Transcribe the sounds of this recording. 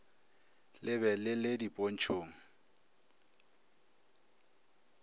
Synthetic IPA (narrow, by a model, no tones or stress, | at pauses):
lɪbɛlɪlɪdipʼon̩t͡ʃʰoːŋ̩